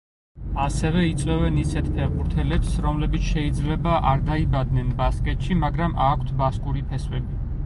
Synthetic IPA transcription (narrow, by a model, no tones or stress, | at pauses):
asɛvɛit̪sʼwɛvɛnisɛt̪̚ʰpʰɛʁuɾt̪ʰɛlɛpsɾɔmlɛbit̪sʰʃɛid̪zlɛbaʔaɾd̪aibad̪nɛnbaskʼɛt̪ʃimaɡɾamʔakʷʰt̪ʰbaskʼuɾipʰɛswɛbi